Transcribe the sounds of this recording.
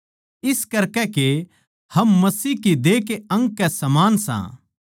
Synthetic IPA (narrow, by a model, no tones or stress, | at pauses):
ɪskɐɾkɛke | hɐmːɐsiːkid̪eːkeɐ̃ŋɡkɛsɐmaːnsã̰ː